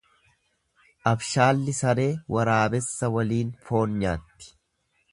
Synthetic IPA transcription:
ʔɐbʃaːlːɪsɐɾe̞ːwɐɾaːbɛsːɐwɐliːnfo̞ːnɲa̰ːt̪ːɪ̥

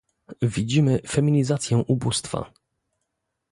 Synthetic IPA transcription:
vʲid͡ʑimɘfɛmʲiɲizat̪sʲjɛ̃ʔubust̪fa̰

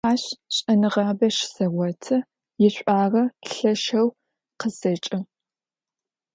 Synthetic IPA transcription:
aːɕɕʼɐnɨʁɑːbɐʃsɐʁʷɔtʰɐ | jɪɕʷʼaːrɐɬɐʃɐw | qəsɐt͡ʃʼɪ

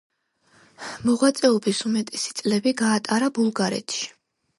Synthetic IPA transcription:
mɔʁwat̪sʼɛɔbisumɛt̪ʼɛsi̥t̪sʼlɛbiɡaːt̪ʼaɾabulˠɡaɾɛ̰t̪ʰʃi̥

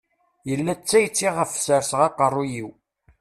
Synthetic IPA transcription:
jəlːæt͡sːæjt͡sːiʁəfsəɾsʁɑqərˤːujiw

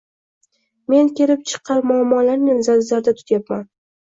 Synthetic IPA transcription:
me̞nkʲe̞lɪp̚t͡ʃʰɨ̥qʰːɑɾmʊamːɒlaɾnɪnzaɾzaɾd̪at̪ʰʊ̥t̪ʰjapman

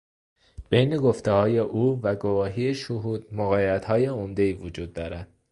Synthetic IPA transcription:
b̥e̞jne̞ɡoft̪ʰehɒːje̞ʔuːvæɡovɒːɦiːeʃoɦuːd̪̥̚moɣɒːjeæt̪hɒːje̞omd̪e̞iːvod͡ʒuːd̪ːɒːɾænd̪̥̚

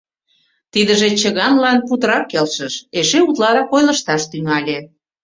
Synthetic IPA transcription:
t̪id̪əʒet͡ɕəɣɑnlɑnput̪əɾɑkelʃəʃeʃeut̪lɑɾɑkojlə̆ʃt̪ɑʃt̪yŋɑlʲe

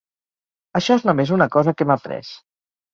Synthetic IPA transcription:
əʃɔeznumezunəkɔzəkemapɾɛ̰s

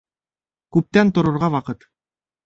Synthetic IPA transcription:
kʉp̚t̪ænt̪ŏɾŏɾʁɑwɑqɤt̪

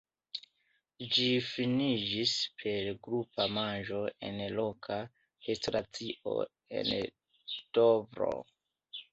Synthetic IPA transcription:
d͡ʒifinid͡ʒispʰe̞ɾɡɾupamand͡ʒo̞e̞̰nlo̞kʰa | hestɾat͡siʔo̞̰ | e̞̰n | ktobɾo̰

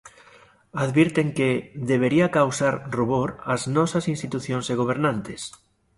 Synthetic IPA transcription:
aðβiɾt̪eŋkeðeβ̞eɾiakawsaɾruβoɾaznɔsasinst̪it̪uθjonseɣ̞oβ̞eɾnãnt̪es

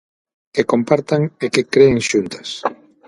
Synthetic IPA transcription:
kekompaɾt̪aŋekɪkɾeːŋʃunt̪ḁs

